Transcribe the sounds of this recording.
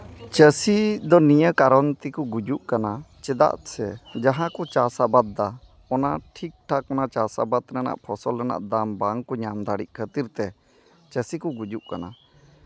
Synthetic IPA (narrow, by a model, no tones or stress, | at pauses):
t͡ʃəsid̪ɔnijəkaɾɔnt̪ikuɡud͡ʒuʔkanat͡ʃɛd̪a̰ʔsɛd͡ʒaɦãkɔt͡ʃasabad̪̚ːa | ɔna̰ʈʰik̚ʈʰakɔnat͡ʃasa̰bad̪ɾɛna̰ʔpʰɔsɔlːɛna̰ʔd̪ambaŋkɔɲamd̪aɽiʔ̚kʰət̪iɾt̪ɛ | t͡ʃəsikuɡud͡ʒuʔkana̰